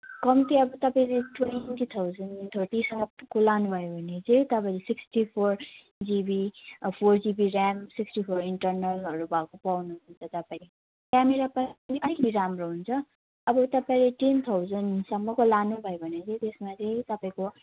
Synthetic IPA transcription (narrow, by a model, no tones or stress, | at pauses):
kʌmt̪iʌbʌt̪ʌpaĩleʈwekit̪ʰawzʌnt̪ʰorʈisʌŋɡʌkolanubʱʌjobʱʌned͡zet̪ʌpaĩlesiksʈipʰor | d͡zibipʰord͡zibiɾamsiksʈipʰoɾiɳʈʌrnʌlɦʌɾubʱʌkopawnuɦunt͡sʰʌt̪ʌpaĩ | kameɾapaniʔʌɾikʌt̪iɾamroɦunt͡sʰʌ | ʌbʌt̪ʌpaĩleʈent̪ʰawzʌnsʌmːʌkolanubʱʌjobʱʌnet͡sʌ̃jt̪esmad͡zʌjt̪ʌpaĩko